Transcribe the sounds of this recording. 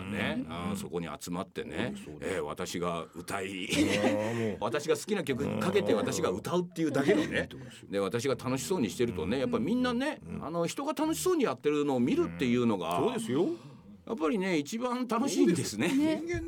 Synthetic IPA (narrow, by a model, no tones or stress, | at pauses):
ne̞ɯ̰̃so̞ko̞ɲ̟ḭa̰t͡sɨmat̪ːe̞̰nḛeβa̰t̪aɕiɡaɯ̟̰t̪ai | βat̪aɕiɡasɨ̥kʲinak̬ʲjo̞k̬ɯ̟kake̞t̪e̞βat̪aɕiɡaɯt̪aɯ̟t̪ːe̞jɯ̟d̪ake̞d̪one̞ | d̪e̞βat̪aɕ̬iɡat̪ano̞ɕi̥so̞ːɲ̟iɕi̥t̪e̞ɾɯ̟t̪o̞̰ne̞japːaimʲĩnːane̞a̰no̞çi̥t̪o̞ɡat̪ano̞ɕi̥so̞ːɲ̟ijat̪ːe̞ɾɯno̞ːmʲiɾɯ̟t̪ːe̞jɯ̟ːno̞ɡa̰soːd̪esɨjo | ja̰pːaɾʲine̞it͡ɕibãnt̪ano̞ɕɕiːd̪e̞sɨne̞